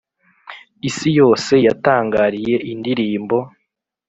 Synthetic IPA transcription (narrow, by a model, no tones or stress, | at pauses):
isijo̞ːse̞jataːŋɡaːɾije̞ʔindiɾiːmbo̞